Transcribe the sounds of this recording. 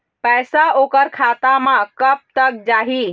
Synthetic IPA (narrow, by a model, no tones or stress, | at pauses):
pɛjsaokəɾkʰat̪amãkəp̚t̪ək̚d͡ʒaɦi